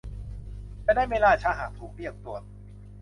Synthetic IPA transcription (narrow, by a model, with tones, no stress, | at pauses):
t͡ɕaː˧˩daː˥˩jweː˧laː˧˩t͡ɕʰaː˧˥ɦaː˨˩k̚t̪ʰuː˨˩k̚li˥˩ək̚t̪u˨˩ə